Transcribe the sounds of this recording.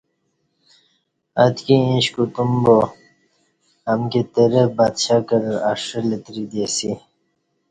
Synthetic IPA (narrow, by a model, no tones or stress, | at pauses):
ɐt̪kiĩɕkut̪umbo | ɐmket̪eɾebad̪ɕakɐɾɾaʂəlet̪ɾid̪esi